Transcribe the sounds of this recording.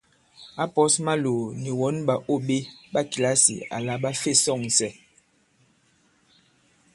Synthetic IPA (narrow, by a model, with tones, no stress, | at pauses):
a˦pɔ˨˦sma˦lo˨ni˨wɔ˨˦nɓa˨ʔo˦˨ɓe˦ɓa˦ki˨la˦sḭ˨a̰˨la˨ɓa˦fe˦˨sɔ˦˨ŋsɛ˦